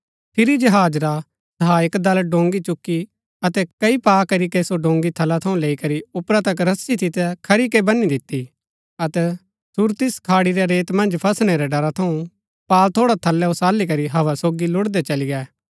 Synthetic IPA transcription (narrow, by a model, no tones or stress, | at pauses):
pʰɪɾid͡ʒɐɦaːd͡ʒɾa | d̪ʱaːɪkd̪ɐlɖõːŋɡit͡ʃʊkːi | ɐt̪ɛkɐipaːkɐɾikesoɖõːŋɡit̪ʰɐlat̪ʰɐũleːikɐɾiʊpɾat̪ɐkɾɐsːit̪ʰɪt̪ɛkʰɐɾikebɐnːid̪ɪt̪ːi | ɐt̪ɛ | sʊɾt̪ɪskʰaːɽiɾɛɾeːt̪mɐ̃nd͡ʒpʰɐsɽ̃ɛɾɛɖɐɾat̪ʰɐũ | paːlt̪ʰoːɽat̪ʰɐlːɛosaːlik̬ɐɾiɦɐʋasoːɡilʊɽd̪ɛt͡ʃɐliɡɛː